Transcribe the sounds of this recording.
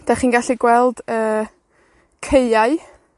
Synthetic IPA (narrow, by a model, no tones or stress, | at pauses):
d̥aχiːnɡaɬiɡwɛlˠd̥əː | kʰeɨaɨ